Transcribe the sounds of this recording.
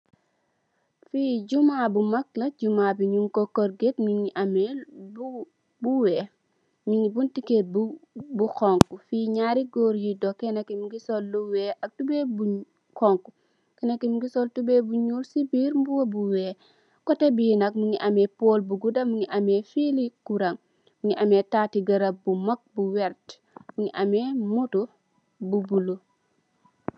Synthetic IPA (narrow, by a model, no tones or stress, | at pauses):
fiːd͡ʒumabumaklɐɟumabiɲumkɔkɔɾɡetmiŋiʔamɛbu | buwɛ | miŋibuntikebbukɔŋkufiːɲaɾiɡoːɾjidɔkɛnɐkimiɡisɔlːuwɛʔɐk̚tubɛbu | kɔŋku | kɛnakimuɡisɔltubebuɲuːɾsibiːɾmbuwɐbuwɛː | kɔtebinɐk̚muŋiʔamɛpoːlbuɡudɐmuŋiʔamɛfilikuɾɐŋ | muŋiʔametatiɡɐɾɐbumɐk̚buwɛɾt | muŋiʔamemutu | bubulu